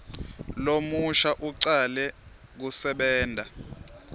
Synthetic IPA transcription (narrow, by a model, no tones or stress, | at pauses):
lomuʃaʔuǀalɛ | k̬usɛɓɛːndʱa